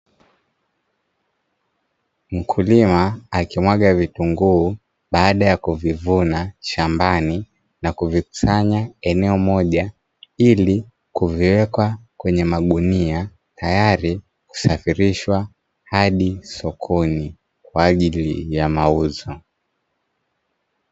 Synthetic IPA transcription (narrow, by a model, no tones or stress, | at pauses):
m̩kʰulimaːkimwaɠavituŋɡuː | ɓaːɗajakuvivunaʃambani | nakuviku̥saɲaɛnɛɔmɔʄa | ili | kuviwɛkwakwɛɲɛmaɠunia | tʰajaɾi | ku̥safiɾiʃwa | haɗisɔkʰɔni | kwaːʄilijamauzɔ